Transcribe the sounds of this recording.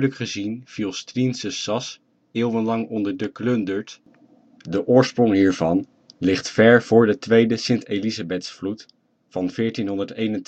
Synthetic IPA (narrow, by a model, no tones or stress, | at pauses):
ləkχəzinv̥ilˠstrinsəsɑs | ɪːwˠvənlɑŋɔndəɹdəklɵndəɹt | dəʔʊːɹsprɔŋɦiːɹv̥ɑn | lɪχtfɛɹv̥ʊːɹdətʋejdəsɪntejlizabɛtsflut | fɑnvɪːɹtinɦɔndəɹtejnənt